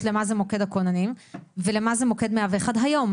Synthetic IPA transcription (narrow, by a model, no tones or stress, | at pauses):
tle̞mazemo̞ke̞d̪akonanimvelemazemo̞ked̪meaveχadɦajo̞m